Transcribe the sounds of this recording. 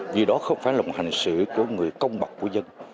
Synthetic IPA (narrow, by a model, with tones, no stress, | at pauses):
vi˨˩ɗɔ˨˦xə˧wŋ͡mfaː˧˩jlːha˨˩ŋ̟sɨ̰˧˨ku˧˩əŋɨ˨˩əjkə˧wŋ͡mɓa˨˩k͡p̚kːu˧˩əzə˧n